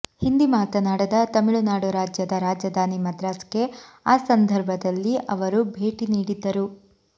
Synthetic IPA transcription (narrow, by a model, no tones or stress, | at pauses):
hind̪imaːt̪ɐnaːɽɐd̪ɐt̪ɐmiɭunaːɽuɾaːd͡ʒjɐd̪ɐɾaːd͡ʒjɐd̪ʱaːnimɐd̪ɾaːske̞ | aːsɐnd̪ʱɐɾbʱɐd̪ɐlːiʔɐʋɐɾubʱe̞ːʈiniːɽid̪ːɐɾu